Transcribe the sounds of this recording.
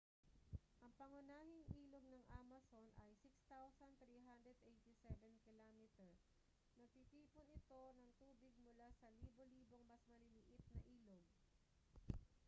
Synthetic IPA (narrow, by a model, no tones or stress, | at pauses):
ʔɐŋpɐŋʊnaːhɪŋʔiːloɡ̚nɐŋʔamɐsonʔɐjsɪkst̪awsɐnt̪ɾiːɦand̪ɾɛd̪ʔejt̪ɪsɛvɛnkɪlomɪt̪ɛɹ | nɐɡ̚t̪it̪iːpʊnɪt̪o̞nɐŋt̪uːbɪɡ̚mʊlasɐliːboliːboŋmɐsmɐlɪlɪʔɪt̪̚nɐʔiːloɡ̚